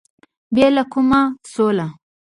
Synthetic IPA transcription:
bjalakumasola

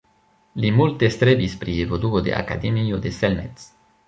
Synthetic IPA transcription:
limult̪est̪ɾebispɾievod̪uod̪ḛʔa̰ka̰d̪emijod̪eselmet̪s

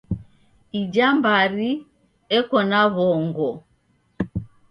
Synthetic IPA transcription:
id͡ʒambaɾi | ɛkɔnaβɔŋɡɔ

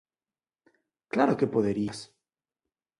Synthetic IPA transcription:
klaɾokepoðeɾias

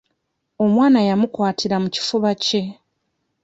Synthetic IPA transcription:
o̞mwaːnajamukwaːtʰiɾamuci̥fuβace̞

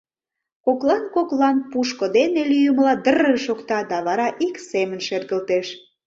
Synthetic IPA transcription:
koklɑnkoklɑnpuʃkod̪enelyjəmlɑd̪ərəʃokt̪ɑd̪ɑβɑɾɑʔiksemənʃerɣəlt̪eʃ

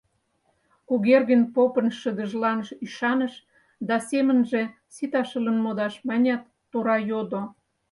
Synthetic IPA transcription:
kuɣerɣənʲpopənʃəd̪ə̆ʒlɑnəʃyʃɑnəʃ | d̪ɑsemənʒe̽ | sit̪ɑʃələnmod̪ɑʃmɑnʲɑt̪ːoɾɑjod̪o

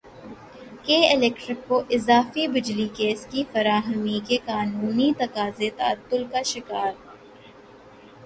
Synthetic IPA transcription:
keːɪlɛːkʈɾɪkːoʔɪzaːfibɪd͡ʒlikeːskifɐɾaːɦəmikekaːnuːnit̪ɐkaːzet̪ɐə̰t̪ːʊlkaʃɪkaːɾ

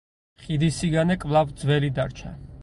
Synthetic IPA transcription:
χid̪isiɡanɛkʼvlˠavd̪zwɛlid̪aɾt͡ʃʰa̰

